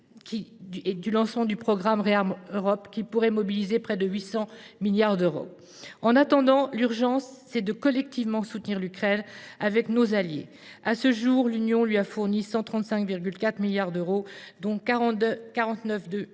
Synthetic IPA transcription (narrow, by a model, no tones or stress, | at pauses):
kʲid̪ylɑ̃smɑ̃d̪ypχɔɡʁamʁeamøʁɔpkʲipuʁɛmɔbilizepχɛd̪əɥisɑ̃miljaʁd̪øʁo̰ | ɑ̃nat̪ɑ̃d̪ɑ̃lyʁʒɑ̃sːɛd̪əkɔlɛk̚t̪ivmɑ̃sut̪niʁlykχɛnavɛknozaljḛ | asəʒuʁlynjɔ̃lɥiafuʁnisɑ̃t̪χɑ̃t̪sɛ̃kviʁɡʲylkat̪χmiljaʁd̪øʁod̪ɔ̃ | kaʁɑ̃t̪nəfd̪ø